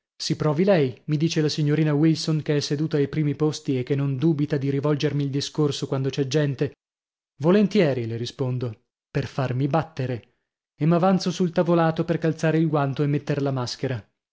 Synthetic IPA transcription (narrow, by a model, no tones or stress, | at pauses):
sipɾɔːvilɛjmid̪iːt͡ʃelasiɲːoɾiːnawilsoŋkeɛsːed̪uːt̪aajpɾiːmipost̪iekːenːond̪uːbit̪ad̪iɾivɔld͡ʒermiːld̪iskorsokwand̪ot͡ʃɛd͡ʒːɛnt̪e | volent̪jɛːɾileɾispond̪o | perfarmibat̪ːeɾe | emːavant̪sosult̪avolaːt̪operkalt̪saːɾeilɡwant̪oemːet̪ːerlamaskeɾa